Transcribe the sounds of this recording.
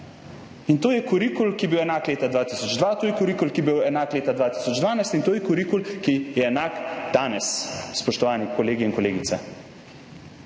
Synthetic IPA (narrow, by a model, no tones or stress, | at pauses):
int̪oːjɛkuɾikulkibiwɛnaːkleːt̪ad̪ʋaːt̪isɔd͡ʒd̪ʋat̪oːjɛkuɾikulkibiwɛnaːkleːt̪ad̪ʋaːt̪i̥sɔd͡ʒd̪ʋaːnajst̪int̪oːjɛkuɾikulkijɛːnaːkd̪̥aːnɛsspɔʃt̪ɔʋaːnikɔleːɡiinkɔleːɡit̪sɛ̰